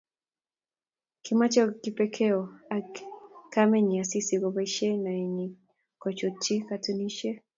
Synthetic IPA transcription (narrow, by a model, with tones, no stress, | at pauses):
kʰima˦t͡ʃakipɛkʰɛɔa˨kamɛ˦ɲi˨a˨si˦si˨ɡɔ˨βaʃɛ˦na˨iɲi˨ | kɔt͡ʃɔ˨ti˦katu˦ni˦ʃɛ˦